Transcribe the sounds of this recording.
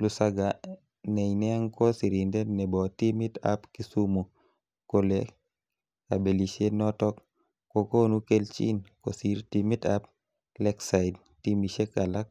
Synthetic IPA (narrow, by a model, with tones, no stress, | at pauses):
lu˨sa˦ɡa | nɛ˨inɛ˦a˦ŋkɔ˦si˨ɾinde˦nɛ˨bɔ˨ti˦mi˦ta̰˦pki˦su˦mu˨ | kole˦ | ka̰˨be˨liʃe˦nɔ˦tɔ˦k | ko˨ko˦nu˦ke˦lt͡ʃḭ˦nko˨si˦ɾtimi˦tap̚ | lɛ˦ksaɪd | ti˦mi˨ʃe˦kala˦k̚